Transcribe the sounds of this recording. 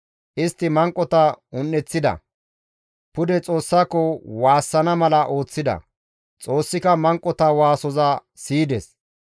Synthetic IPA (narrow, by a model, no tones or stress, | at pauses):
ʔɪst̪ːɪmɐŋkʼːɔt̪ɐʊnːɛt͡sːɪd̪ɐ̰ | pʊd̪ɛt͡sʼo̞ːsːaːkːɔwaːsːɐnɐmɐlɐʔo̞ːt͡sːɪd̪ɐ̰ | t͡sʼo̞ːsːɪkɐmɐŋkʼːɔt̪ɐwaːsɔzɐ | siːd̪ɛs